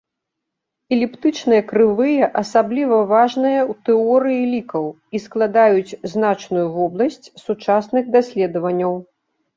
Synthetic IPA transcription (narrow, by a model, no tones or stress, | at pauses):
ɛlʲipt̪ɨt͡ʂnɨjɐkɾɨvɨjɐʔɐsablʲivɐvaʐnɨjɐwt̪ɛɔɾɨjilʲikɐw | isklˠad̪ajut͡sʲznat͡ʂnujuvɔblˠɐsʲt͡sʲsut͡ʂasnɨɣd̪asʲlʲɛd̪ɐvɐnʲːɐw